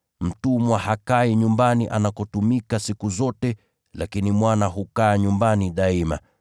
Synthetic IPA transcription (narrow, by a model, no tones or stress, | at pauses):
m̩tumwahakaiɲumbaniʔa̰nakɔtumikasikuzɔtɛ | lakinimwanaɦukaːɲumbaniɗaima̰